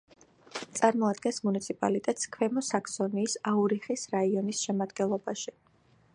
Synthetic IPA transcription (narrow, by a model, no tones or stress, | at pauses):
t̪sʼaɾmɔad̪̚ɡɛnsmunit̪sʰipʼa̰lit̪ʼɛt̪skʰwɛmɔsaksɔniːsauɾiχisɾaiɔnisʃɛmad̪ɡɛnlˠɔbaʃi